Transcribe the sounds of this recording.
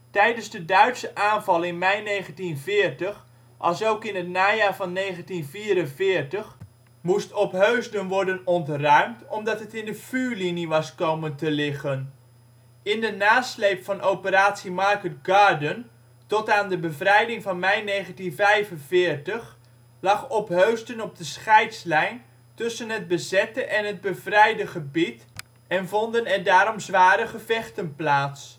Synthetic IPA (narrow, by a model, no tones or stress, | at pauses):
tɛjdənzdədœɥtsəʔaːnvɑlˠɪnmɛjnejχəntinvɪːrtəx | ʔɑ̰lˠsowkɪnɦətnaːjaːɹvɑnːejχəntinviːɾənvɪːrtəχ | mustɔpɦøɥzdənʋɔɹdənɔntrœɥmtɔmdɑtɦətɪndəfyːɹliniʋɑskowməntəlɪχən | ɪndənaːslejpfɑnʔowpəɾaːtsimɑɹkət̚ɡaːɹdən | tɔtaːndəbəvrɛjdɪŋvɑnmɛjneːχəntinvɛjvənvɪːɹtəχ | lɑχɔpɦøɥstənɔb̚dəsχɛjtslɛjn | tɵsənɦəd̚bəzɛtəʔɛnɦəd̚bəvrɛjdəχəbit | ɛnvɔndənɛɹdaːɾɔmzʋaːɾəχəvɛχtənplaːts